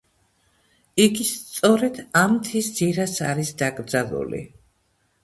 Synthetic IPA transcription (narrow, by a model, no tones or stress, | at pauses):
iɡist̪sʼɔɾɛd̪amt̪ʰisd̪ziɾasa̰ɾisd̪aɡɾd̪zalˠṵlḭ